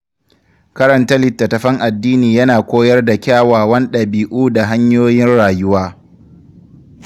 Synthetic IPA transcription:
kɐ˦ɾɐ˨ntɐ˦lɪ˨tːɐ˨tɐ˨ɸɐ˦ŋʔa˨dːiː˦niː˨jɐ˦naː˨kʷoː˦jɐ˦rda˨kʲaː˦˨waː˨wɐ˦nɗɐ˨biː˨ʔuː˦da˨ɦa˦ɲjoː˦jɪ˦nɽaː˨jʊ˦waː˦

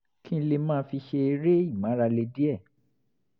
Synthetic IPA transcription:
kĩ˦le˧mãː˦˧˦fi˧ʃe˧e˧ɾe˦i˦˨mã˨˦ɾa˧le˧di˦ɛ˦˨

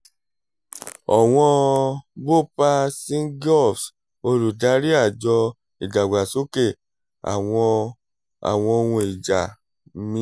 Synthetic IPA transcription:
ɔ˨w̃ɔ̃˧ɡ͡bo˦˨pa˧sĩ˦ɡɔ˦˨fs | o˧ɾu˨da˨˦ɾi˦a˦˨d͡ʒɔ˧ | i˨d͡ʒa˨ɡ͡ba˨so˦ke˦˨ | a̰˨ɔ̃˧ | a̰˨w̃ɔ̃˧o˧wũ˧i˨d͡ʒa˨˦ | mĩ˦

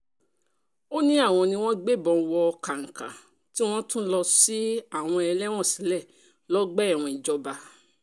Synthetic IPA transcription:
o˦nĩ˦a˦˨w̃ɔ̃˧nĩ˧w̃ɔ̃˦ɡ͡be˦˨bɔ˧wɔ˧ka˨ŋ̩˨ka̰˨ | ti˦w̃ɔ̃˦tũ˦lɔ˧si˦a˦˨w̃ɔ̃˧ɛ˧lɛ˦w̃ɔ̃˦˨si˨˦lɛ˦˨ | lɔ˦ɡ͡bɛ˦˨w̃ɔ̃˧i˨d͡ʒɔ˧ba˧

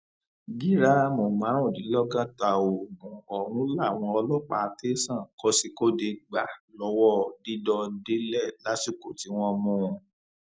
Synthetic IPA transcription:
ɡi˦ɾa˦mo˨mã˨˦ɾɔ̃˦˨di˨˦lɔ˦ɡã˦ta˧˨o˨nũ˨˦ɔ˨ɾ̃ũ˦la˦˨w̃ɔ̃˧ɔ˧lɔ˦˨k͡pa̰˧te˦sã˦˨kɔ˦si˧ko˦de˧ɡ͡ba˨lɔ˧˦wɔ˦˨di˦dɔ˧de˦lɛ˦˨la˦si˦˨ko˨ti˨˦w̃ɔ̃˧mũ˦˧

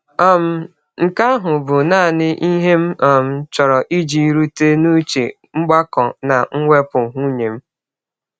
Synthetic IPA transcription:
a˦m̩˨ | ŋ̩˨ka˦ɦʊ˨bʊ˨na˦˨nɪ˦ʔi˦ɦe˦m̩˦ɔ˨m̩˦t͡ʃɔ˨ɾɔ˨ʔi˦d͡ʒi˨i˦ɾu˦te˦nu˦t͡ʃḛ˨ | ŋ͡m̩˦ɡ͡ba˦kɔ˨na˨ŋ̩˦ŋʷe˦pʊ˨ɦu˦ɲe˨m̩˦

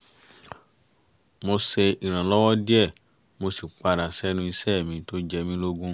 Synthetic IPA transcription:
mo˧se˧i˨ɾ̃ã˨lɔ˦wɔ˦di˦ɛ˦˨ | mo˧si˨k͡pa˧ɾa˨sɛ˦nũ˦i˧sɛ˦˨mĩ˧˦to˦d͡ʒɛ˧mĩ˦lo˦ɡũ˦

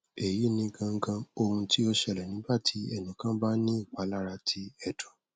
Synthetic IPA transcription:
e˨ji˨˦nĩ˧ɡã˧ŋ̩˦ɡã˧o˧hũ˧ti˦ɔ˧ʃɛ˧˨lɛ˨nĩ˨˦ba˦˨tʰi˨˧˦ɛ˦˨nũ˨kã˦ba˦nĩ˦i˦˨k͡pa˨˦la˦ɾa˧tʰi˧˦ɛ˧˨dɔ̃˨

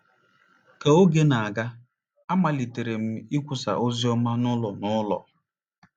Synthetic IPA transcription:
ka˨o˦ɡe˦na˨a˨ɡa˦ | a˦ma˨li˨te˨ɾe˨m̩˦i˦kʷʊ˦sa̰˨ʔo˦zi˦ɔ˦ma˦nʊ˦lɔ˨nʊ˦lɔ̰˨

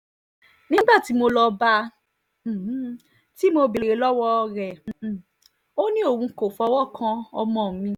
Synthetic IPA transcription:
nĩ˦ɡ͡ba˦˨ti˨˦mo˧lɔ˧ba˧˨˦ | ti˦mo˧bi˨ɾe˨˧˦lɔ˦wɔ˦˧ɾɛ˨ | o˦nĩ˦o˦˨wũ˧ko˨fɔ˧˦wɔ˦˨kʰã˧ɔ˧mɔ̃˨mĩ˧

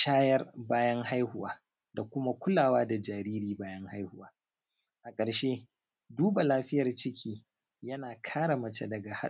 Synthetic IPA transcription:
ʃaː˦jɐ˦rbaː˦jɐ˦ŋha˦jhʊ˦waː˨ | da˨kʷʊ˦ma˦kʷʊ˦laː˨waː˦da˨d͡ʒaː˨ɾiː˦ɾiː˨baː˦jɐ˦ŋha˦jhʊ˦waː˦ | ʔa˨kʼɐ˨ɾʃe˦ | duː˦ba˨laː˦ɸɪ˦jɐ˨rt͡ʃɪ˦kʲʰiː˦ | jɐ˦naː˨kʰaː˦ɽa˨mɐ˨t͡ʃa˦dɐ˨ɡa˨ha˦

